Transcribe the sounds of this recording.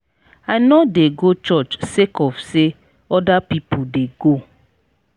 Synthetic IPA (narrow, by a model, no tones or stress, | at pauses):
ajnɔdeɡot͡ʃɔt͡ʃsekɔfse | ɔdapipudeɡo